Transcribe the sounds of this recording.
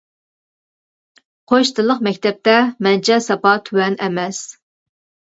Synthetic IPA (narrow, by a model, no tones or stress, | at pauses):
qʰoʃt̪ʰɨlˠːəqmɛk̚ʲt̪ɛp̚t̪ɛmɛnt͡ʃʰɛsɑpɑt̪ʰywɛnɛmɛs